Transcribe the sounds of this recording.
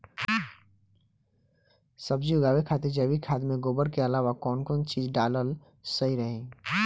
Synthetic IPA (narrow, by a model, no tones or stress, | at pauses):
səbd͡ʒiʊɡaːʋekʰaːt̪ed͡ʒəbikʰaːd̪mẽɡoːbəɾkeɐlaːʋakɔːnkɔːnt͡ʃiːd͡ʒɖaːləl | səiɾəɦe